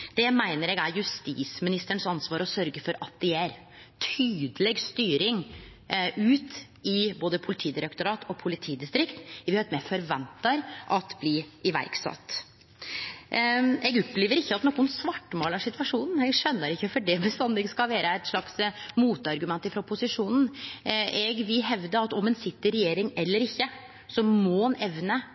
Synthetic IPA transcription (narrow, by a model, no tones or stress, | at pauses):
d̪̥ɛæmæɪnəɾɛɡæɾjʉst̪ḭːsmɪnɪst̪əɳsɑnsʋɑːɾɔsœɾɡəfɔɾɑt̪̚d̪ɛjæɾ | t̪ʰyːd̪əlɛɡst̪yːɾɪŋ | ʔʉːt̪ | ɪboːd̪əpʰʊlɪt̪ʰiːd̪ɪɾɛkt̪ʊɾɑːt̪ʰɔpʰʊlɪt̪ʰiːd̪ɪst̪ɾɪkt̪ʋɪhɑɾɛt̪mɛfɔɾʋɛnt̪ɑɾʔɑt̪bliɪʋæ̰ɾksɑ̰t̪ː | ɛɡɔpːleːʋəɾɪçːəɑt̪noːkːʊnsʋɑʈːmoːlæʂɪt̪ʋɑʂuːnn̩ɛɡʂœnːəɾɪçːəfɔɖɛbəst̪ɑnd̪ɪɡskɑlʋæːɾəɛt̪ʂlɑksmuːt̪əɑɾɡʉmɛnt̪ːəfɾɑpʊsɪʂuːnn̩ | ɛɡʋɪlɦɛʋd̪əɾɑt̪ɔmɛnsɪt̪ːəɾɛjeːɾɪŋɛlːəɾɪçːə | sɔmoːnɛʋnə